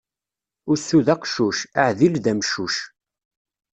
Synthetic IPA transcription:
ʊɾsuðæqʃuʃaʕðilðæmʃuʃ

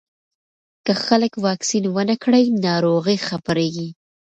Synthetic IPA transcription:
kəxaləkwɑksinwənəkɽəjnɑɾoɣəxapəɾeɡi

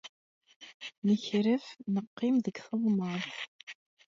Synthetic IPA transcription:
nəçɾəfnəqːɪmðəɡθəðˤməɾθ

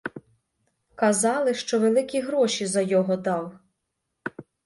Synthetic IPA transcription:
kɐzɑlˠɪʃt͡ʃɔʋelˠɪkʲiɦɾɔʃʲizɐjɔɦɔd̪ɑw

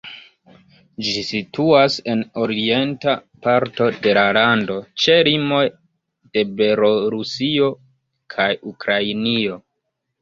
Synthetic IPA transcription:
d͡ʒisituase̞no̞ɾiie̞ntapaɾto̞de̞lalando̞t͡ʃe̞limo̞j | d̥e̞be̞lo̞ɾusio̞ | kʰajukɾajnio̞

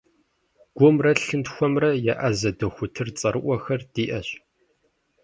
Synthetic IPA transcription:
ɡ̥ʷʊmrɐɬɨntxʷɔmrɐjaʔɐzɐdɐxʷʊtʰɨrt͡sʼɐɾɨʔʷɔxɐrd̥iːʔɐɕ

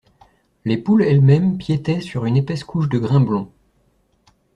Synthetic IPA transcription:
lepulɛlmɛmpjet̪ɛsyʁynepɛskuʃd̪əɡʁɛ̃blɔ̃

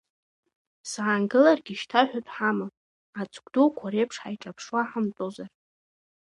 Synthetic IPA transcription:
saːnɡɨlarɡʲiʃtʰaħᶣatʼħamɨ | at͡sʰʼɡʷʼdokʷʰaɾe̞jpʰʂħajʈ͡ʂʼapʰʂwaħamt͡sʼozar

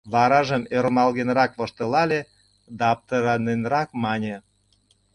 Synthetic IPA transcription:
βɑɾɑʒəmøɾmɑlɣenɾɑkβŏʃt̪ə̆lɑlʲe | d̪ɑp̚t̪əɾɑnenɾɑkmɑnʲĕ

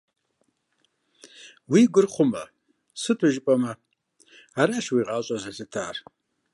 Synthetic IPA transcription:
wiɡʷʊrχʷʊma̰ | sɨtʰʊʒpʼama | aɾaʂwiʁʼat͡ʃʼazazɨtʰaːr

